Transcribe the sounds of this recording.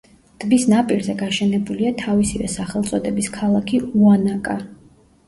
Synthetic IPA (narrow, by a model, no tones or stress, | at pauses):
d̪̥bisnapʼiɾzɛɡaʃɛnɛbuliat̪ʰavisivɛ̰saχɛlˠt̪sʼɔd̪ɛbiskʰalˠakʰiuanakʼa